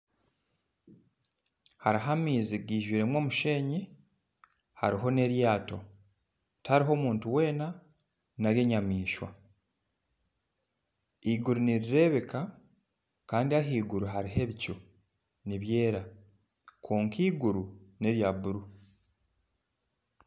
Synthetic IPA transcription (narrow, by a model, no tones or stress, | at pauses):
haɾiɦamiːziɡiːʒwiːɾe̞mwo̞ːmuʃe̞ːɲi | haɾiɦo̞ne̞ɾjaːto̞̰ | tʰaɾiɦo̞ːmuːntuwe̞ːna | naɾje̞ːɲamiːʃwa̰ | iɡuɾuniɾiɾe̞βe̞ka | kaːndiaɦiːɡuɾuɦaɾiɦe̞βico | niβje̞ːɾa | kʰoːŋkiːɡuɾune̞βjaβuɾu